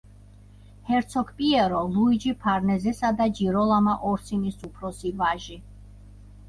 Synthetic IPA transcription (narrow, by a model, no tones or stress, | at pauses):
hɛɾt̪sʰɔkʰpʼiɛɾɔluid͡ʒipʰaɾnɛzɛsad̪ad͡ʒiɾɔlˠamaʔɔɾt̪sʰinisupʰɾɔsivaʒi